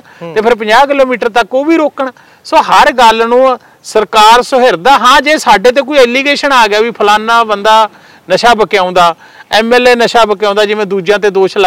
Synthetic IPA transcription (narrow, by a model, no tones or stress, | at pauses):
t̪eːpʰɪɾpə̃d͡ʒaːkɪloːmiːʈəɾt̪əkoːʋiːɾoːkəɳ | soːɦəɾɡəlnũː | səɾkaːɾsoɦɪɾd̪aːɦãːd͡ʒeːsaːɖeːt̪̬eːk̬oːiːɛliːɡeːʃənaːɡɪjaːʋiːpʰəlaːnaːbənd̪aː | nəʃaːbəkɪãːnd̪aː | ɛːmɛːleːnəʃaːbəkːãːnd̪aːd͡ʒɪʋẽːd̪uːd͡ʒjãːt̪̬eːd̪oːʃlə